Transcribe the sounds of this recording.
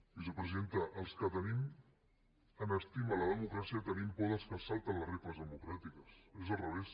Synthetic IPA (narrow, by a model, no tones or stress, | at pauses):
isupɾəzient̪əʔəlˠskət̪ənim | ənəst̪imələðəmukɾasiət̪ənimpɔðəskəsalˠt̪ənlərepləzðəmukɾat̪ikəsezəlˠrəβes